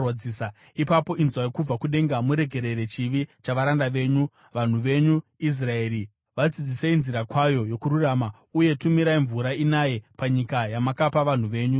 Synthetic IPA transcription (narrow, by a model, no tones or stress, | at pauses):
wad͡ziːsa | ipapo̞ʔinzwajekub͡vakuɗe̞ŋɡamuɾe̞ɡʱe̞ɾe̞ɾe̞t͡ʃiʋit͡ʃaʋaɾandaʋe̞ːɲu | ʋan̤uʋe̞ɲuis̬rae̞ːɾi | ʋad͡zid͡ziseinziɾakwajo̞jo̞kuɾurama | uje̞tumiɾaiɱvuɾainaje̞paɲikajamakapaʋan̤uʋe̞ːɲu